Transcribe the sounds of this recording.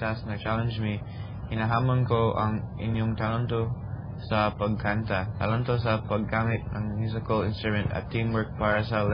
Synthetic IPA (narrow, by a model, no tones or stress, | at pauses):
t̪asnɐt͡ʃalɛnd͡ʒmi | hɪnaɦaːmɐnkoʔɐ̰ŋ | ʔɪ̰njoŋt̪alant̪o | sɐpɐɡ̚kant̪at̪alant̪osɐpɐɡːaːmɪt̪̚nɐŋmjus̬ɪkɐlɪnst̪ɾʊmɛ̃nt̪ɐ̰t̪ʰːĩmwəɹk̚paːɾɐsɐl